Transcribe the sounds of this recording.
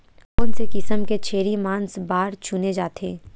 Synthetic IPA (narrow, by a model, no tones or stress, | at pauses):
ʊnsekɪsəmket͡ʃʰeːɾimaːnsbaːɾt͡ʃʊned͡ʒaːt̪ʰeː